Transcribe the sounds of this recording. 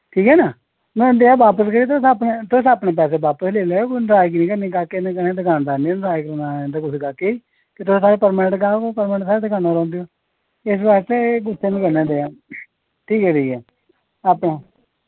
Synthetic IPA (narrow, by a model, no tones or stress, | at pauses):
ʈʰiːkɦɛːnaː | mɛ̃ːd̪eːãːʋaːpəskəɾiːt̪̬ʊsapnet̪ʊsaːpɳẽːp̬ɛːseːbaːpəsleːlɛːoknɾaːjk̬nĩːkənẽːɡaːkenẽkənẽːd̪ɪkaːnd̪aːneːnɾaːjkəɾnand̪akʊt͡ʃɡaːkeiː | kɪt̪ʊsːaːɾeːpəɾmɛːəɳʈɡaːkopəɾmːʈsaːɾeːd̪ɪkaːnõːɾɔ̃ːnd̪ejoː | ɪsbaːɾst̪eɡʊseːnĩkəɾnẽːd̪eːãː | ʈʰiːkɦɛːʈʰiːkɛː | aːpɳeː